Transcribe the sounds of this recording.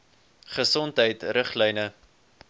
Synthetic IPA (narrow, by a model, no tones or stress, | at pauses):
χəsɔntɦəjtrəχlɛjnə